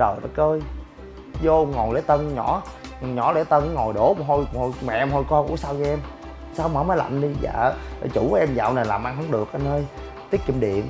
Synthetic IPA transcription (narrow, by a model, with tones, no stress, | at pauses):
ɗəː˨˩jɗa̰˧˦kəː˧j | zo˧ŋɔ˨˩jlḛ˨˦jt̪ə˧n˧ɲɔ˧˩˦ | ɲɔ˧˩˥le˧˦t̪ə˧n˨ŋɔ˨˩jɗo˨˦˨ɦo˧jho˧jmɛ̰˧˨˧mɦo˧jkɔ˧kṵ˧˥əsaː˧wɲ˧ʔɛ˧m | saː˧wməː˨˧˦maː˨˦jla̰˧˨mɗi˧za̰ː˧˨˩t͡ɕu˧˩˦ʔɛ˧mza̰ː˨wna˨˩jlaː˨˩mʔa˧ŋhə˧˦wŋ͡mɗɨ˨˩ək̚ʔə˧nəː˧j | t̪i˦˥ət̚ki˧˩mɗḭ˧˨ən